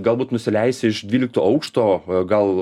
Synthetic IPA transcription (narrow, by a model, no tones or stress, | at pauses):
ɡɐlˠbuːt̪nʊsʲɪlʲɛɪsʲɪɪʃd̪ʲʋʲiːlʲɪk̚t̪oːɐʊkʃt̪oːɡɐlˠ